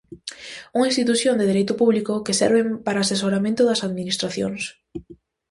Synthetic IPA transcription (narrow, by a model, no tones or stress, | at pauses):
uŋaĩnst̪it̪uθjõnd̪eðeɾejt̪ʊpuβlikʊkɪsɛ̰ɾβɪmpaɾaːses̬oɾamẽnt̪ʊðɐsaðminist̪ɾaθjo̰ŋs